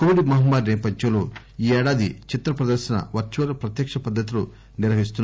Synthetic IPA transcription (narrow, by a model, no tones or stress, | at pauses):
komiɽimɐɦɐmbaːɾnɛːpɐd̪jɐloː | iːɛːɽaːd̪it͡ʃit̪ɾɐpɾɐd̪ɐɾʃɐnɐ̰ʋɐɾt͡ʃuʋɐlɐpɾɐt̪jɐkʂɐpɐd̪ʱːɐt̪̬ilu | niɾʋɐɦist̪unː